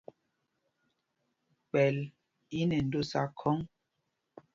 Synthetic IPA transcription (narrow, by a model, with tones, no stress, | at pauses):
k͡pɛ˨l | i˦nɛ˨n̩˨do˦sa˦kʰɔ˦ŋ